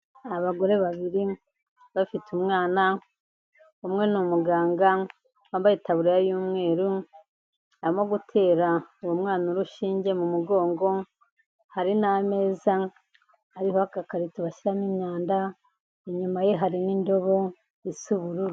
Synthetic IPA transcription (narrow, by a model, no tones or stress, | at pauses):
aβaɡo̞ɾe̞βaβiɾi | βafitumŋaːna | umŋe̞numuɡaːŋɡa | wambajitaβuɾejajuːmŋe̞ːɾu | aβimoɡutʰe̞ːɾauwomŋaːnuɾuʃiːɲɟe̞mumuɡo̞ːŋɡo̞ | haɾiname̞ːza | haɾihohakakaɾituβaʃiɾamimɲaːnda | eɲumajeɦaɾinindo̞βo̞ | isuβuɾuɾu